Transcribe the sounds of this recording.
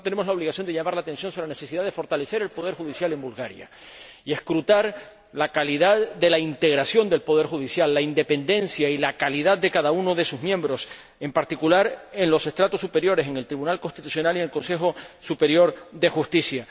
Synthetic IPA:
t̪ene̞mo̞zlao̞βliɣasjond̪eʝamaɾlaːt̪e̞nsjo̞nsoɾenese̞siðaðe̞fo̞ɾt̪ale̞se̞ɾe̞lpo̞ð̞e̞ɾxuðisjale̞mbulɣaɾja̰ | ie̞skɾut̪aɾ | lakaliðaððe̞laint̪e̞ɣ̞ɾasjo̞nd̪e̞lpo̞ð̞e̞ɾxuðisjalːaind̪e̞pẽ̞nd̪e̞nsjailakaliðað̚d̪e̞kaðauno̞ðe̞suzmjẽ̞mbɾo̞s | e̞mpaɾt̪ikulaɾe̞nlo̞se̞st̪ɾat̪osːupe̞ɾjo̞ɾe̞s̬e̞ŋe̞lt̪ɾiβunalko̞nst̪it̪u̥sjo̞naliŋe̞lko̞nse̞xo̞supe̞ɾjo̞ɾðe̞xust̪isja

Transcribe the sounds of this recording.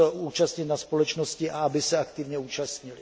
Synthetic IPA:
ʔuːt͡ʃast̪ɲɪt̪naspo̞lɛt͡ʃnoscɪʔaabɪsɛakt̪ɪvɲɛuːt͡ʃast̪ɲɪlɪ

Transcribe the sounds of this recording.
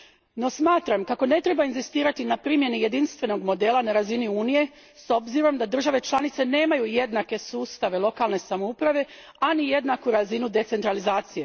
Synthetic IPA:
no̞smaːt̪ɾamkako̞ne̞t̪ɾebainzist̪iːɾat̪inapɾimje̞nije̞d̪inst̪ʋe̞no̞ɡmo̞d̪e̞ːlˠanaɾaziniuːnije̞ | so̞bziɾo̞md̪ad̪ɾr̩ʒaʋe̞t͡ʃlˠanit̪se̞ne̞ːmajujed̪nake̞suːst̪aʋe̞lˠo̞kaːlˠne̞samoupɾaʋe̞ | anije̞d̪nakuɾazinud̪e̞t̪e̞nt̪ɾalizaːt̪sije̞

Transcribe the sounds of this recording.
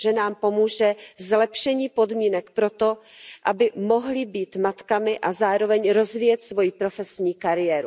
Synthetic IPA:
ʒɛnaːmpo̞muːʒɛzlɛpʃɛɲiːpo̞dmiːnɛkpɾo̞t̪o̞ʔabɪmo̞ɦlɪbiːt̪mat̪kamɪʔazaːɾovɛɲɾo̞zviːjɛt̪svo̞jipɾo̞fɛsɲiːkaɾɪjɛːɾu

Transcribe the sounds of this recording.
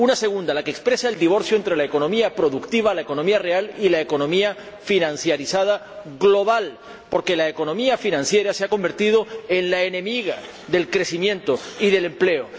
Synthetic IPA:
unase̞ɣ̞und̪alakekspɾe̞saeld̪iβ̞o̞ɾθjoe̞nt̪ɾe̞laekonõ̞miapɾo̞ðukt̪iβ̞alaeko̞nõ̞miare̞alilaeko̞nõ̞mia | finãnθjaɾisað̞a | ɣlo̞β̞al | po̞ɾke̞laeko̞nõ̞miafinãnθje̞ɾaseako̞mbe̞ɾt̪iðo̞e̞nlaenẽ̞miɣa | ðe̞lkɾe̞simjẽ̞nt̪oiðe̞le̞mple̞o

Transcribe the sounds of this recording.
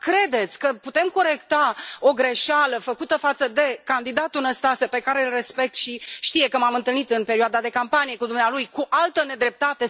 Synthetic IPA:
kɾe̞d̪e̞t̪sʲkəput̪e̞mko̞ɾe̞kt̪ao̞ɡɾe̞ʃaləfəkut̪əfat̪səd̪e̞kand̪id̪at̪ulnəst̪asepe̞kaɾeɨlre̞spe̞k̚t̪ʃiʃt̪ije̞kəmamɨnt̪ɨlnit̪ɨnpe̞ɾioad̪ad̪e̞kampanije̞kud̪umnealujkuʔalt̪əne̞d̪ɾe̞p̚t̪at̪e̞

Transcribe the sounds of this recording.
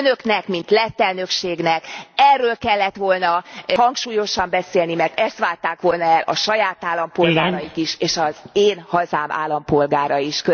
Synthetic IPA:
nø̞knɛkmint̪lɛt̪ːɛlnø̞kʃeːɡnɛkɛrːøːlkɛlːɛt̪ʋo̞lnɒhɒŋkʃuːjo̞ʃɒmbɛseːlnimɛrt̪ɛst̪ʋaːlt̪aːkʋo̞lnɒɛlʔɒ̰ʃɒjaːt̪aːlːɒmpo̞lɡaːɾɒjikiʃeːʃɒzeːnhɒzaːma̰ːlːɒmpo̞lɡaːɾɒiʃkø

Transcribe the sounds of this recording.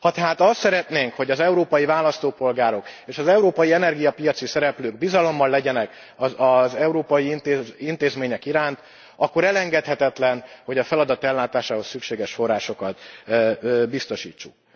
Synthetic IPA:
hɒt̪ɛɦaːt̪ɒst̪sɛɾɛt̪neːŋkho̞ɟɒzɛuɾoːpɒjivaːlɒst̪oːpo̞lɡaːɾo̞keːʃɒzɛuɾoːpɒjiɛnɛrɡijɒpijɒt̪sisɛɾɛpløːɡbizɒlo̞mːɒlːɛɟɛnɛk | ɒzɛuɾoːpɒjiint̪eint̪eːzmeːɲɛkiɾaːnt̪ | ɒkːo̞ɾɛlɛŋɡɛt̪hɛt̪ɛt̪lɛnho̞ɟɒfɛlɒd̪ɒt̪ɛlːaːt̪aːʃaːho̞sːykʃeːɡɛʃfo̞rːaːʃo̞kɒt̪ | bist̪o̞ʃḭːt͡ʃːuk̚

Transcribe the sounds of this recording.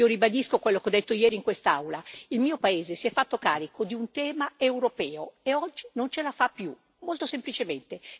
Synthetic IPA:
oɾibad̪iskokwelːokeɔd̪ːet̪ːojɛːɾiŋkwest̪aawlailmiːopaeːzesiɛfːat̪ːokaːɾikʰod̪iunt̪ɛːmaewɾopɛːoeɔd͡ʒːinont͡ʃelafapːju | molt̪osemplit͡ʃement̪e

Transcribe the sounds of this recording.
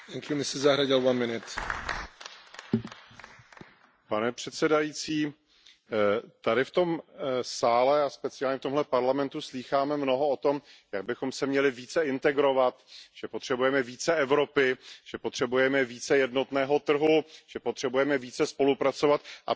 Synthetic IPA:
t̪ɛŋkjumɪsɪzzaɦɾaɟɪlwanmɪnɪt̪ | panɛpr̝̥ɛt̪sɛdajiːt͡siː | t̪adɪft̪o̞msaːlɛaspɛt͡sɪjaːlɲɛft̪o̞mɦlɛpaɾlamɛnt̪usliːxaːmɛmno̞ɦo̞ot̪o̞mjaɡ̚bɪxo̞msɛmɲɛlɪviːt͡sɛɪnt̪ɛɡɾo̞vat̪ʒ̥ɛpo̞t̪r̝̥ɛbujɛmɛviːt͡sɛɛvɾo̞pɪʒ̥ɛpot̪r̥ɛbujɛmɛviːt͡sɛjɛdno̞t̪nɛːɦo̞t̪r̩ɦuʒ̥ɛpot̪r̝̥ɛbujɛmɛviːt͡sɛspo̞lupɾat͡so̞vat̪ʔa̰

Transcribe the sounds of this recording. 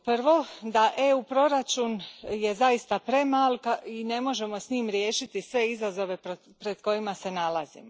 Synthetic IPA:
pr̩ʋo̞d̪aʔe̞upɾo̞ɾat͡ʃunje̞zaist̪apɾe̞malkaine̞mo̞ʒe̞mo̞sɲiːmɾje̞ːʃit̪isʋe̞izazo̞ʋe̞po | pɾed̪ko̞imase̞nalazḭmo

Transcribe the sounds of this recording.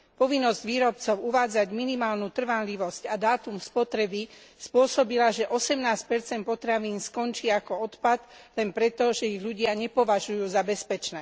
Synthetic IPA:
pɔʋinːɔzɟʋiːɾɔp̚t͡sɔʊuʋaːd͡zaɟminimaːlnut̪r̩ʋanʎiʋɔscad̪aːt̪umspɔt̪ɾɛbispʊɔsɔbilaʒɛʔɔsɛmnaːsc̚pɛɾt͡sɛnt̪̚pɔt̪ɾaʋiːnskɔnt͡ʃiːakɔɔt̪pad̪lɛnpɾɛt̪ɔʒɛiɣʎuɟɪaɲɛpɔʋaʒujuːzabɛspɛt͡ʃnɛː

